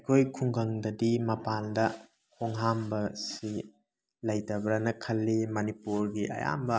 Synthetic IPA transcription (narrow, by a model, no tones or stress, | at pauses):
kʰojkʰuŋɡɐŋdɐdimɐpaldɐ | kʰoŋɦambɐsi | lɐjdɐbɾɐnɐkʰɐlːimɐnipuɾɡiʔɐ̰ja̰mbɐ